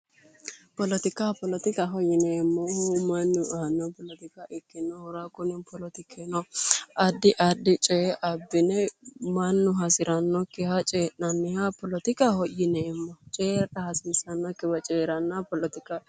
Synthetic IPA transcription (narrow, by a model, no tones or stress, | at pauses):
pɔlɔt̪ɪkapɔlɔt̪ɪkɐɦɔjɪnemːɔhʊmɐnːʊʔnːɔpɔlɔt̪ɪkaʔɪkːɪnːɔhʊɾakʊnɪnpɔlɔt̪ɪkʰenɔɐd̪ːɪʔɐd̪ːɪt͡ʃʼɛʔɐbːɪnɛmɐnːʊɦɐsɪɾɐnːɔkːɪhɐt͡ʃʼeːʔnɐnːɪhapɔlɔt̪ɪkɐhɔjɪnemːɔt͡ʃʼeːɾɗɐhɐsiːsɐnːɔkːɪbɐt͡ʃʼeːɾɐnːɐpɔlɔt̪ɪka